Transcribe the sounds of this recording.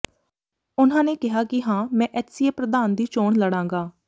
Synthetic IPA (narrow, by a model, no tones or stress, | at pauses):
ʊnãːneːkɪɦaːkɪɦãːmɛ̃ːʔɛːt̪sieːpɾəd̪aːnd̪iːt͡ʃoːɳləɽãːŋɡaː